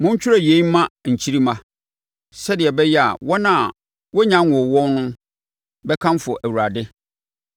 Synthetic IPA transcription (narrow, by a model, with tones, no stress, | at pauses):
mʊ̃˦ɲ̩˦t͡ɕᶣʊ˦ɾɛ˨je˨i˦m˦mã˦ɲ̩˨t͡ɕʰi˦ɾi˦mã˦ | sɛ˦dɪ˨ɛ˨bɛ˦jɛ˦a̰˨wɔ˦nã˨ | wɔ˦ɲã˦n˨wɔ̃˨wɔ̃˦n˦nʊ̃˦ | bɛ˦kʰã˦m˦fɔ˨ʔæ˨wu˨ɾa˨dɪ˦